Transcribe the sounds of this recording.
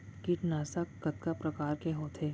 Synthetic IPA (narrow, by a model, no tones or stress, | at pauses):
kiʈnaːsakːɐt̪̚kapɾɐkaːɾkeɦoːt̪ʰeː